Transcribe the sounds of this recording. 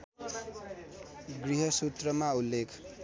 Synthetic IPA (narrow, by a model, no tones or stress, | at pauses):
ɡriɦʌsut̪rʌmaulːekʰ